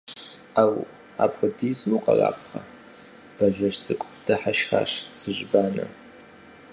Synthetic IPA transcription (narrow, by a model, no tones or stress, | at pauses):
aw | a̰ːpxʷʊdiːsuqɐ̰ra̰ːpqʰɐ | b̥ɐʒɐʂt͡sʼɨkʷʼd̥ʰɐħaʃxa̰ːʂsɨʑbaːnɨ̰